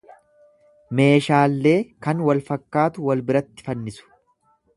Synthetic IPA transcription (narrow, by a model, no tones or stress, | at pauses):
me̞ːʃaːlːe̞ːkɐnwɐlfɐkːaːt̪ʊwɐlbɪɾɐt̪ːɪ̥fɐnːɪsʊ̥